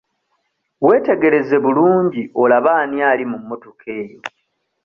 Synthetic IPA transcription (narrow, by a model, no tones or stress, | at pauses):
we̞ːte̞ɡe̞ɾe̞ze̞βuluːɲɟiʔo̞laβaːnjaːlimumːotokʰe̞ːjo̞